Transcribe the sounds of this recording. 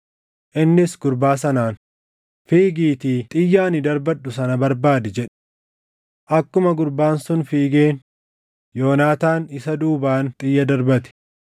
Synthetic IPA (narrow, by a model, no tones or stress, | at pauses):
ʔɪnːɪsɡʊɾbaːs̬ɐnaːn | fiːɡiːt̪iːt̪ʼɪjːaːnɪd̪ɐɾbɐᶑːʊsɐnɐbɐɾbaːd̪ɪd͡ʒɛᶑɛ̥ | ʔɐkːʊmɐɡʊɾbaːnsʊnfiːɡeːn | joːnaːt̪aːnɪsɐd̪uːbaːnt̪ʼɪjːɐd̪ɐɾbɐt̪ɪ̥